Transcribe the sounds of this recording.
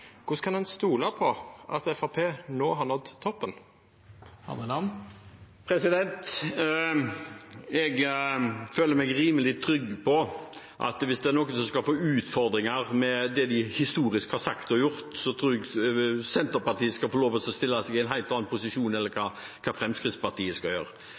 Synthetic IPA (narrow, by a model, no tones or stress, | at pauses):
kʰʊskʰɑnd̪ɛnst̪uːlɑpʰɔʔɑt̪ɛfɑpʰeːnoːɦɑɳɔt̪ʰːɔpːən | hɑ̰məlɑn | pʰɾɛsɪd̪ɛnt̪ | ɛɡ | føːləɾmɛɡɾiːməlɪt̪ʰɾʏɡːpʰɔ | ʔɑ̰t̪ʋɪsd̪ɛæɾnɔkːənsɔmskɑfoːʉːt̪fɔɾd̪ɾɪŋɑʁmɛd̪ɛd̪ɪhɪst̪uːɾɪskhɑɾsɑkt̪ɔjʊɾt̪sɔt̪ʰɾuːɾɛɡsɛnt̪əɾpɑʁt̪ʰiːəskɑfɔloːʋəsɔst̪ɪlːɑsɛɡɪɛɪnɦæɪlt̪ɑːnpʊsɪʂuːnɛlːəɾkʰɑːkʰɑːfɾɛmskɾɪtspɑt̪iːəskɑljø̰ːɾə